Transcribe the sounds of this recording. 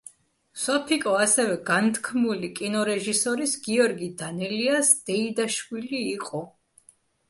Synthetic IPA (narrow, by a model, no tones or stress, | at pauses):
sɔpʰikʼɔasɛvɛɡant̪ʰkʰmulikʼinɔɾɛʒisɔɾisɡiɔɾɡid̪anɛliasd̪̥ɛid̪aʃwiliːqʼɔ